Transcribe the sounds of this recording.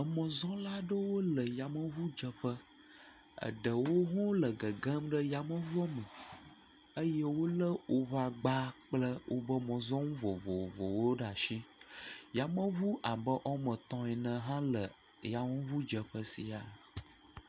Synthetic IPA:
ə˨mɔ̃˨zɔ̃˦la˦ɖə˦wo˦lə˨ja˨mə̃˦βu˦d͡ʒə˨ɸə˦ | ə̰˨ɖə˨wo˦ɦɔ̃˦lə˨ɡə˨ɡə̃˦mɖə˦ja˨mə̃˦vɔ˦mə̃˨ | ə˦jə˦wo˦lə˦wʔo˦βa˨ɡ͡ba˦k͡plə˦wʔo̰˦bə˦mɔ̃˨zɔ̃˦ŋũ˦vɔ˨vɔ˨vɔ̰˨wo˦ɖa˨ʃi˦ja˨mə̃˦βu˦ʔa˨bə˦ʔɔ˦mə̃˨t̪ɔ̃˦ɛ˨nə̃˨ɦã˦lə˨ | ja˨mə̃˦βu˦d͡ʒə˨ɸə˦sḭ˨a˨

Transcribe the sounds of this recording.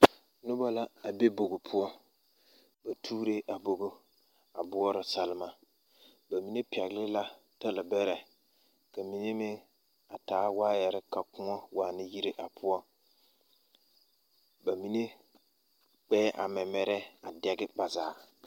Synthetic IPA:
nʊ˦ba˦la˦a˨be˦bo˨ɡo˨pʰʊ˦ɔ˦ | ba˨tʰuː˦ɾe˦ʔa˨bo˨ɡo˦ | a˨bʊ˦ɔ˦ɾɪ˨sa˦lɪ˦ma˨ | ba˨mi˨ne˦pi˨ɛ˨ɣlɪ˦la˦ | ta˦lɪ˨bɛ˦ɾɛ˨ | ka˨mi˨ne˦mɪ˦ | a˨taː˨˦waː˦jɛ˨ɾɪ˦ka˨kʊ˦ŋɔ˦waː˨nɪ˦ji˦ɾe˦ʔa˨pʰʊ˦ɔ˦ | ba˨mi˨˦ne˦ | k͡pɛː˦ʔa̰˨mɛ˨mɛ˨ɾɛ˦a˨dɛ˨ɡɪ˦ba˨zaː˨˦˨

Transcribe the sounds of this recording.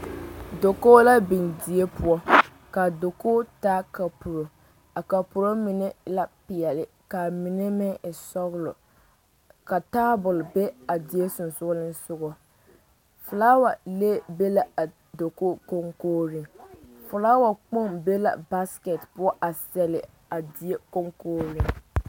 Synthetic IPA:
do˨ko˦la˦bɪ˨ndi˨e˦pʊ˦ɔ˦ | ka˨do˨ko˦ta˦ka˨pu˨ɾo˨ | a˨ka˨pʊ˨ɾo˦mɪ˨nɛ˦la˦pɪ˨jɛ˨lɪ˨ | ka˨mɪ˨ne˦mɛ˦˨sɔ˦ɣʊ˦lɔ˨ | ka˨taː˦bʊ˨lbe˦a˨dɪ˨e˦sʊ˨nsʊ˦lɪ˦n˦sʊ˦ɣɔ˦ | fʊ˨laː˦wa˨le˦be˦la˨a˨ | do˨ko˦ko˦ŋkoː˦ɾɪ˨ŋfʊ˨laː˦wa˨k͡po˦˨mbe˦la̰˨ba˦skɛ˨tpʊ˦ɔ˦ʔa˨sɛ˨lɪ˨ | a˨di˨e˦ko˦ŋkoː˦ɾi˨ŋ

